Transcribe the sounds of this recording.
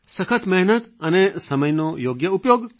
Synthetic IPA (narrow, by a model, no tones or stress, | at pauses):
səkʰət̪mɛɦnət̪ənesəməjnojoɡjəupjoɡ